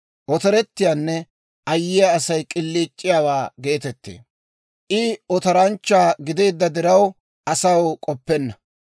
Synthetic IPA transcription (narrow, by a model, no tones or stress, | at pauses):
ʔɔt̪ɐɾɛt̪ːɪjaːnːɛ | ʔɐjːɪjaːsɐjkʼɪlːiːt͡ʃʼːɪjaːwaːɡe̞ːt̪ɛt̪ːḛː | ʔɪɔt̪ɐɾɐnt͡ʃːaːɡɪd̪e̞ːd̪ːɐd̪ɪɾɐw | ʔɐsɐwkʼɔpːɛnːɐ